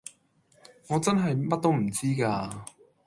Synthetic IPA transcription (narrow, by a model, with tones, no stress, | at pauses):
ŋɔː˨˧t͡sɐ˥nɦɐ˨jmɐ˥t̚t̪o˥wm̩˨˩t͡siː˥kaː˧